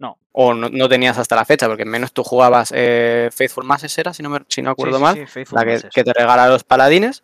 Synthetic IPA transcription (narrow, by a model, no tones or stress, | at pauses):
no | o̞nono̞t̪e̞niasast̪alafe̞t͡ʃapo̞ɾke̞mːe̞no̞st̪uxuɣ̞aβasefejθfuɾmasese̞ɾasinomesinoakwe̞ɾðomallakeke̞t̪e̞re̞ɣ̞alalo̞spalað̞ine̞s